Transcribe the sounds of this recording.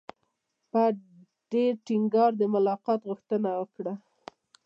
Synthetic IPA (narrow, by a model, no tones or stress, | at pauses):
pə | ɖ̥eʈɪŋɡɑɾd̪əmʊlɑqɑt̪ɣʊxt̪ənawəkɽa